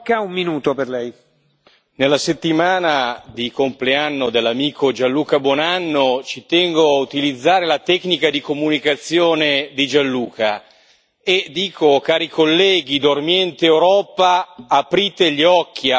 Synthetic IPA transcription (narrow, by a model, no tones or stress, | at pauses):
kaumminuːt̪operlɛj | nelːaset̪ːimaːnad̪ikompleanːod̪elːamiːkʰod͡ʒanlːuːkabwɔnanːot͡ʃit̪ɛŋɡoaut̪ilid̪zːaːɾelat̪ɛkːnikad̪ikomunikat̪sːjoːned̪id͡ʒanluːka | ed̪ːiːkʰokaːɾikʰolːɛːɡ̟id̪ormjɛnt̪eewɾɔːpaːpɾiːt̪eʎiɔkːi